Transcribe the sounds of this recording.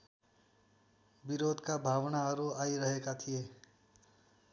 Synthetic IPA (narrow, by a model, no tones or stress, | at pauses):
biɾoːd̪ʱkabʱaːʋnaəɾuaːiɾəɦekat̪ʰije